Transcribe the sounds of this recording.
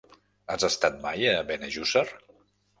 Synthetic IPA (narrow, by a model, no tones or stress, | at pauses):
azəst̪at̪̚majːβɛneʒusər